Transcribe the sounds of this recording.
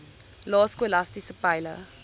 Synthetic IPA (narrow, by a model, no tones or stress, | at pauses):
lɔːskəlastisəpaɪlə̰